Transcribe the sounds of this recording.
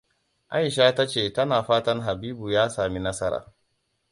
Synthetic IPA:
ʔa̰˦jʃaː˦ta˦t͡ʃeː˨tɐ˦naː˨ɸaː˦tɐ˦rɦa˨biː˦bu˨jaː˦saː˨mi˦nɐ˦sɐ˦ɾa̰ː˨

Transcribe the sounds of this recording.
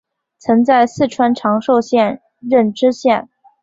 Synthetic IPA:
t͡sʰɤ˧˥ŋt͡sa˥˧ɪsɹ̩˥˩ʈ͡ʂʰwa˥nʈ͡ʂʰɑ˧˥ŋʂo˥˧ʊɕjɛ˥˧n | ɻə˥˩nʈ͡ʂɻ̩˥ɕjɛ˥˩n

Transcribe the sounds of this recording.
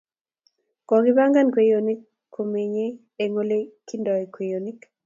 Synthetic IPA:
kɔ˨ɡɪ˦ba˦ŋɡa˦nkwe˨jo˨ni˦kʰː | o˨me˨ɲe˦ | e˨ŋo˦le˦ki˦ndɔ˨i˨kwe˨jo˨ni˦k

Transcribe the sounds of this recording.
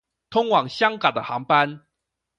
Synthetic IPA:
t̪ʰʊ˥ŋwɑ˨˩ŋɕjɑ˥ŋka˨˩d̪ə˦xɑ˧˥ŋpa˦n

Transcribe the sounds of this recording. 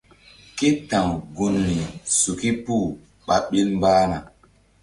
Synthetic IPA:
ke˦tã˨wɡu˨nːi˨su˨ki˦pu˦˨ | ɓa˨ɓe˦lm˦baː˦na˨

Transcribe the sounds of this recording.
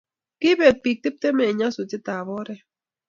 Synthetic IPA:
ki˦be˨t̪̚pi˨k̚t̪i˦p̚t̪e˦me˨ɲã˦su˨t͡si˦t̪a˨βo˦ɾe˨

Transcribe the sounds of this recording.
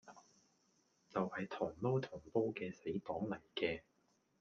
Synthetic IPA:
t͡sɐ˨whɐ˨jt̪ʰʊː˨˩ŋpo˥wt̪ʰʊ˨˩ŋpo˥wkɛː˧se˨˥jpɔː˨˥ŋlɐ˨˩jkɛː˧

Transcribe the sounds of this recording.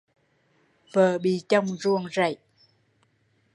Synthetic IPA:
vəː˨˩ɓḭ˧˨t͡ɕə˧wŋ͡mzu˧˩əŋza̰˧˨j

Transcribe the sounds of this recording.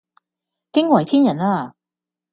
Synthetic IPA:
kɪ˥ŋwɐ˨˩jt̪ʰiː˥njɐ˨˩naː˥˩

